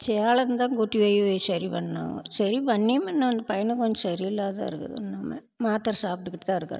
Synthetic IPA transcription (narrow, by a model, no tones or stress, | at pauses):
t͡ʃɛjaːɭɐnd̪ãːɡoʈːiʋɐjʋesɐɾipɐɳːɐna̰ːŋɡɐ̰sɐɾipɐɳːimɛnːaʋɐnd̪ɐpɐjɐnɐkːɔɲd͡ʒɐ̃sɐɾiɪlːaːt̪a̰ːɪɾɯkːɐ̰ðɯ̰nɐmːɐ̰ | maːt̪ɾɐsaːp̚ʈɯkːɪʈːɐt̪ãːɪɾɯkːɐ̰ɾɐ